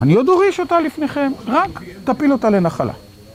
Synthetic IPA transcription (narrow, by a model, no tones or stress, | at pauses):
anio̞d̪oʁiʃo̞talifne̞χe̞mʁakt̪apilotalenaχala̰